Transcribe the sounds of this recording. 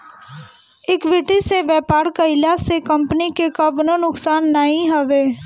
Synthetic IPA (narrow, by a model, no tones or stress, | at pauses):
ɪkʋɪʈiseʋɛːpaːɾkɐɪlasekɐ̃mpənikekɐbnənʊksaːnːaɦĩɦəʋeː